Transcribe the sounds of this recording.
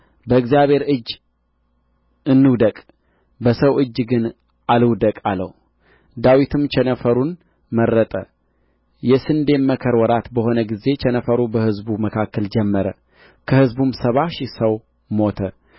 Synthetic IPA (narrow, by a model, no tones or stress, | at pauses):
bəɨkzjaβhe̞ɾɨd͡ʒː | ʔɨnːɨwd̪əkʼ | bəsəwʔɨd͡ʒːɡɨn | ʔalɨwd̪əkʼalːə̰h | d̪awit̪ʰɨmt͡ʃʰɛnəfəɾun | məɾːət̪ʼə | jɛsɨnd̪e̞mmːəkʰəɾwɔɾat̪bəho̞nəɡize̞t͡ʃʰɛnəfəɾubəhɨzbuməkʰakʰːəld͡ʒɛmːəɾə | kʰəhɨzbumsəβaʃisəw | mo̞t̪ʰə